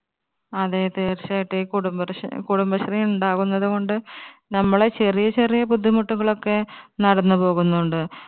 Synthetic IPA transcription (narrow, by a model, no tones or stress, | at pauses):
ɐðet̪eːrt͡ɕaːjiʈːekuɽumbɐkuɽumbɐɕɐrijuɳɖaːɣunːɐðuɣo̞ɳɖɨnɐmːɐɭet͡ɕe̞rijɐt͡ɕe̞rijɐpud̪ʱːimuʈːuɣɐɭo̞kːe̞nɐɽɐnːɨpo̞ːɣunːuɳɖɨ